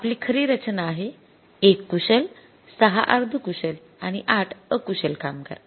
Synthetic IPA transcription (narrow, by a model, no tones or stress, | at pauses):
apliːkʰəɾiːɾət͡ɕnaːɦe | ekːuɕəl | səɦa̰ʔaɾd̪ʱukuɕəl | aɽ̃iʔaʈʰəkuɕəlkamkə̰ɾ